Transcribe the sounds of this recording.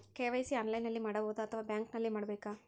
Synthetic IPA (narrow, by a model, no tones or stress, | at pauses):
keːʋɐjsiɐːnlɐjnɐlːimaːɽɐboːd̪ɐɐt̪ʰɐʋaːbjaːŋknɐlːimaːɽɐbeːka